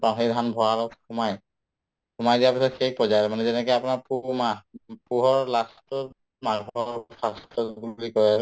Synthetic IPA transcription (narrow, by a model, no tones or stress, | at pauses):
paɦedʱanbʱɔaɹɔxumaj | xumajdijaɹpisɔtxejpɔzajɾɛmanɛzɛnɛkɔapunaɹpumapuɦɔɹlastʊ | maɡbʱɔɹpʰastʰɔɡulikɔɹɛ